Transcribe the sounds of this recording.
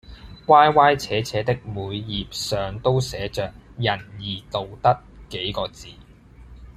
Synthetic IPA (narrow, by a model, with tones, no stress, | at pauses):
waː˥jwaː˥jt͡sʰɛː˨˥t͡sʰɛː˨˥t̪ɪ˥k̚muː˨˧jːiː˨p̚sœː˨ŋt̪o˥wsɛː˨˥t͡ʃœː˨k̚jɐ˨˩njiː˨˩t̪o˨wt̪ɐ˥t̚ke˨˥jkɔː˧t͡siː˨